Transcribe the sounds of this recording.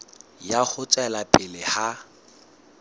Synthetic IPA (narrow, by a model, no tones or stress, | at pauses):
jaχʊt͡sʼɛlapʼɪlɪha